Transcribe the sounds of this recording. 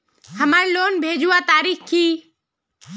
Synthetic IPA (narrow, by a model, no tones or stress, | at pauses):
həmaːɾloːnbʱeːd͡ʒuat̪aːɾiːkkʰiː